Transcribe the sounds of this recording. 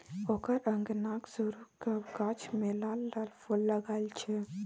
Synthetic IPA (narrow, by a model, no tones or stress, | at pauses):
okəɾə̃ŋɡnaksuɾukakat͡ʃʰmelalːalfʰulːəɡajlt͡ʃʰe